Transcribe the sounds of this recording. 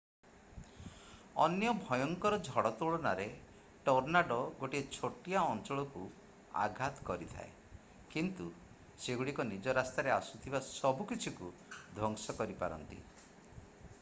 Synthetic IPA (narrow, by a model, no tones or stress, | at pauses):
ɔ̰njɔbʱɔjɔŋkɔɾɔd͡ʒʱɔɽɔt̪uɭɔnaɾe | ʈɔɾnaɖɔɡoʈiet͡ʃʰoʈijaɔnt͡ʃɔɭɔku | a̰ɡʱat̪kɔɾit̪ʰa̰e | kint̪u | seɡuɽikɔnid͡ʒɔɾast̪aɾeasut̪ʰibasɔbukit͡ʃʰikud̪ʱɔŋsɔkɔɾipa̰ɾɔ̰nt̪ḭ